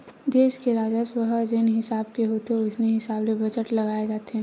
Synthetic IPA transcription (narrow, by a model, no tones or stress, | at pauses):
d̪eːʃkeɾaːd͡ʒəswɐɦd͡ʒenɦɪsaːbkeɦoːt̪eʊsneɦɪsaːblebɐd͡ʒəʈlɐɡaːed͡ʒaːt̪eɦɛ̃